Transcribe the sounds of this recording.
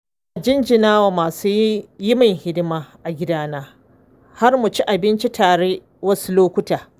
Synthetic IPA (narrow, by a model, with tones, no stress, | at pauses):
ʔa˨d͡ʒɪ˦nd͡ʒɪ˨naː˦waː˨maː˨su˦jjɪ˦mɐ˨ŋhɪ˦dɪ˦maː˦ʔa˨ɡʲɪ˦daː˦naː˦ | ha˦rmʊ˨t͡ʃi˦ʔa˨bɪ˦nt͡ʃi˦tʰaː˨ɽe˦ | wɐ˦su˦loː˦kʷʊ˦taː˨